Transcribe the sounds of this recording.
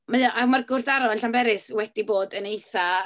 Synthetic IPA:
məðjɔʔamarɡʊrθaɾɔnɬambɛɾɪswɛdiboːdənejθa

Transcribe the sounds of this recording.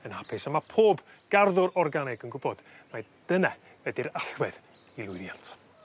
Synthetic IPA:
ənhapʰɪsamapʰoːb | ɡ̥arðʊɾɔrɡanɪɡənɡʊbɔd̥mad̥ənɛ | ədiɾaɬwɛð | ilˠʊðjantʰ

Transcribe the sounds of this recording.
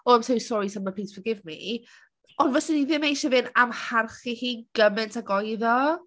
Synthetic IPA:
ɔɛmtʰowsɔɾitʰaməpʰiːtsfəɡɪvmḭ | ɔnvəsɪniðɪmejʃɛvɪnamharχihiːɡ̥əmɪntʰaɡɔjðɔ

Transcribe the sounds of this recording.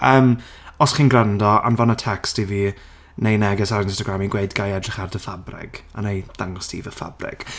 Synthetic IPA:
əːm | ɔsχiːnɡrandɔa̰nvanətʰɛkstiviː | nejnɛɡɛsaɾɪnstɔɡɾamiɡweɨdɡajɛdrɪχardəfabrɪ̰ɡ̥anejð̥aŋɔstʰḭːvəfa̰brɪ̰ɡ̥

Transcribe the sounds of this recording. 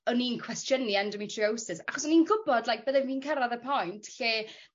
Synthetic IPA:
ɔninkʰwɛstjəniandɔmitʰriowsɪsaχɔsɔniːnɡʊbɔdlajk̚b̥əðɛviːnkʰəɾaðəpʰɔjntʰɬeː

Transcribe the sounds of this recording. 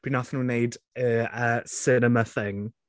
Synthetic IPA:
b̥inaθɪ̃ŋəneɪdəəsɪnəməθɪ̃ŋ

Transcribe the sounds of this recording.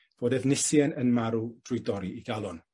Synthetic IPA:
v̥oːdɛvnɪsjɛnənmaɾud̥rʊjdɔɾiʔiɡalˠɔn

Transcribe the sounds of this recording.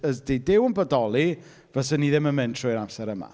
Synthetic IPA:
əsdejdɪwənbədɔlˠi | vɛsəniðɪmənmɨntʰr̥ʊjɾamsɛɾəma̰

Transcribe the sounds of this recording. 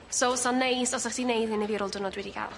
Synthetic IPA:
sosɔnːejsɔsaχd̥inejðɨneðiɾʊlˠdʊnɔdwɛdiɡa̰lˠ

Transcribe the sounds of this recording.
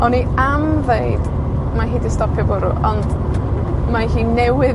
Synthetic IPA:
ɔniamðejd | maɦiːdistɔpʰjɔbɔɾuʔɔnd | maɦiːnɛwɪ

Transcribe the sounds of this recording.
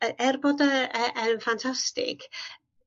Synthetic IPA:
əɛrbɔdəəʔənfantʰastɪ̰kʰ

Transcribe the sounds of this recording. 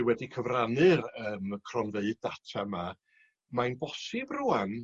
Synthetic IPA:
wɛdikʰəvranɨrəːmkʰrɔnveɨd̚datʰama | majnbɔsɨbruan

